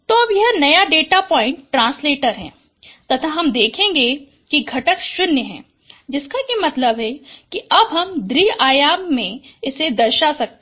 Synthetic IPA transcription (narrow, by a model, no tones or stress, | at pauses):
t̪oɐbjɐɦnɐjaɖeːʈapɔːɪ̃ɳʈːɾãːnsleːʈəɾɦɛ̰̃ː | t̪ɐt̪ʰaɦɐmd̪eːkʰẽːŋɡe | kiɡʱɐʈəkʃʊnjəɦɛ̰̃ː | d͡ʒɪskajimɐt̪ləbɦɛkiɐbɦɐmd̪ɾiaːjaːmːẽɪsed̪ɐɾʃasɐk̚t̪